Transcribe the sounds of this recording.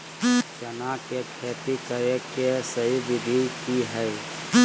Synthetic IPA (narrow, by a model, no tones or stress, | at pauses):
t͡ʃənakekʰeːt̪ikəɾekesəɦiʋɪd̪ʱikiɦɛj